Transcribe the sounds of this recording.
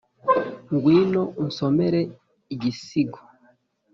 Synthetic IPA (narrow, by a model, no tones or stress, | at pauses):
ŋɡwiːno̞n̩someɾe | iɟisiɡo